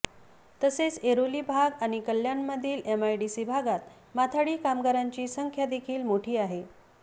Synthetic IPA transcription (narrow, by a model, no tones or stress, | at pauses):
t̪əset͡seɾoliːbʱaɡaɽ̃ikəljanməd̪ʱiːlemajɖisibʱaɡat̪ | mat̪ʰaɽiːkamɡəɾaɲt͡ɕiːsəŋkʰjad̪ekʰiːlmoʈʰiːaɦe